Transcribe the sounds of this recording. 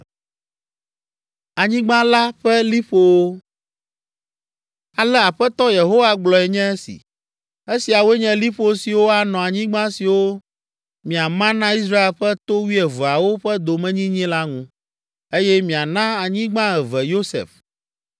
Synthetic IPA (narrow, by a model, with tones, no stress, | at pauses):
a˨ɲĩ˦ɡ͡bã˦la˦ɸɛ˦li˦ɸo˨wo˦ | a˨lɛ˦a˨ɸɛ˦t̪ɔ˦je˨ɦo˦wa˦ɡ͡blɔ˨ɛ˨ɲɛ̃˦e˦sḭ˨ | e˦si˨a˨wo˦e˦ɲɛ̃˦li˦ɸo˦si˨wo˦a˨nɔ̃˨a˨ɲĩ˦ɡ͡bã˦si˨wo˦ | mĩ˨a˨mã˦nã˦i˦s̬ɾa˦e˨lɸɛ˦t̪o˦wi˦ɛ˨vu˨a˨wo˦ɸɛ˦d̪o˨mɛ̃˦ɲĩ˦ɲĩ˦la˦ŋũ˦ | e˦jɛ˦mĩ˨a˨nã˦a˨ɲĩ˦ɡ͡bã˦ɛ˨vɛ˨jo˦sḛ˨f